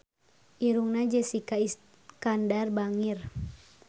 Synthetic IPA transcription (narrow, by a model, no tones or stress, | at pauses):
ʔiɾuŋnad͡ʒɛsikais | kandarbaŋir